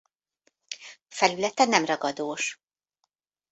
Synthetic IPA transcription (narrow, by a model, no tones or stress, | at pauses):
fɛlylɛt̪ɛnɛmrɒɡɒd̪oːʃ